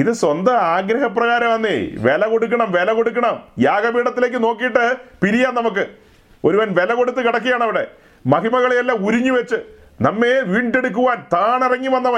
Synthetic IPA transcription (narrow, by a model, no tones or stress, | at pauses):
iðɨswɐnd̪ɐaːɡɾɐɦɐprɐɣaːɾɐmʋɐnːeʋe̞lɐko̞ɽuk̬ːɐɳɐmʋe̞lɐko̞ɽuk̬ːɐɳɐmjaːɡɐbiːɽɐt̪ːile̞ːkːɨno̞ːk̬ːijiʈːɨpiɾijaːnnɐmuk̬ːɨ | o̞ɾuʋɐnʋe̞lɐko̞ɽut̪ːɨkiɽɐk̬ːijaːɳɐʋiɽe̞ | mɐɦimɐɣɐɭejɐlːaːmuɾiɲːuʋet͡ɕːɨnɐmːeʋiːɳɖe̞ɽuk̬ːuʋaːnt̪aːɳirɐŋːiɐnːɐʋɐ